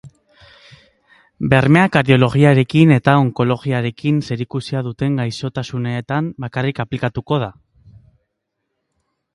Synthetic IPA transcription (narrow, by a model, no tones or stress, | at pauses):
be̞ɾme̞akaɾðio̞lo̞ɣiaɾe̞kine̞t̪ao̞ŋko̞lo̞ɣiaɾe̞kinse̞ɾikusiaðut̪e̞ŋɡajso̞t̪asune̞ːt̪ambakarikaplikat̪uko̞ð̞a